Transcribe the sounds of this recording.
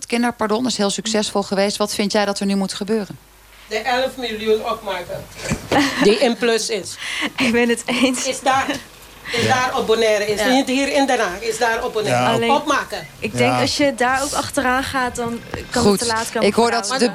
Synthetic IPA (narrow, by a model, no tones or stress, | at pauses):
tkɪndəɹpaɹdɔnɪsɦɪːlˠsyksɛsfolˠχəʋejstʋɑtfɪntjɛjdɔtəɹnymutχəbøːrən | dəʔɛləfmiljunɔp̚maːkə | diɪnpløsɪsɪkbɛnətejnsɪsda | ɪsdaːɾobonɛːɾəɪsnithiːɾɪndənaːɪsdaːɾɔbonɛːɑleɔpmaːkəʔɪɡ̚dɛŋkɑsjədaːɹowkɑχtəraːnχaːt̚dɑnkɑnutːəlaːtkaɪkɦoːɹdɔtdə